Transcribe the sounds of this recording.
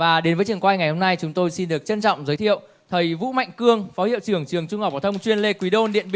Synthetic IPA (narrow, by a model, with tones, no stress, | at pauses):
vaː˨˩ɗe˨˦nvəː˨˦jt͡ɕɨ˨˩əŋkwaː˧jŋa˨˩jho˧mna˧jt͡ɕʊ˨˦ŋ͡mt̪o˧jsi˧nɗɨ˨˩ək̚t͡ɕə˧nt͡ɕɔ̰˧˨wŋ͡mzəː˨˦jt̪ʰḭ˧˨əw | t̪ʰə˨˩jvṵ˧˥ma̰˧˨jŋ̟kɨ˧əŋfɔ˨˦hḭ˧˨ə˨wt͡ɕɨ˨˩əŋt͡ɕɨ˨˩əŋt͡ɕʊ˧ŋ͡mha˨˩p̚a˧˩t̪ʰə˧wŋ͡mt͡ɕwi˧ənle˧kwi˨˦ɗo˧nɗḭ˧˨əni˧